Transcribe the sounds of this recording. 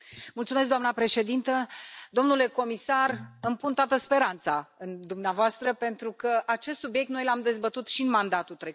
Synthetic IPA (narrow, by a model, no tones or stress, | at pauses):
mult̪sumes̬kd̪oamnəpɾe̞ʃe̞d̪int̪əd̪o̞mnule̞ko̞misarɨmpunt̪oat̪əspe̞ɾant̪saɨnd̪umneavoast̪ɾəpe̞nt̪ɾukəʔat͡ʃe̞st̪subjek̚t̪no̞jlamd̪e̞zbət̪ut̪ʃiɨnmand̪at̪ut̪ɾe